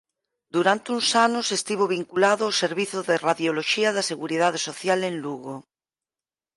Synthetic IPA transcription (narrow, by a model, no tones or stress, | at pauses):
d̪uɾant̪eunsanosest̪iβ̞oβ̞iŋkulaðoawseɾβiθoðeraðjoloʃiaðaseɣuɾið̞að̞esoθjalẽnluɣo